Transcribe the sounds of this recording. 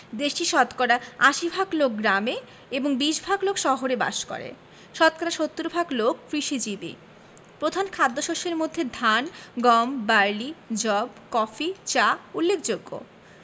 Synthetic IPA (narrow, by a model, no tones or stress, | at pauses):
d̪eʃʈiʃɔt̪kɔɾaaʃibʱaɡlok̚ɡɾame | eboŋbiʃbʱaɡlokʃɔɦoɾeba̰ʃkɔ̰ɾḛ | ʃɔt̪kɔɾaʃot̪ːuɾbʱaɡlok̚pɾiʃid͡ʑibḭ | pɾod̪ʱankʰad̪ːoʃoʃeɾmod̪ʱːed̪ʱanɡɔmbaɾlid͡ʑɔbkɔfit͡ɕaulːekd͡ʑoɡːo̰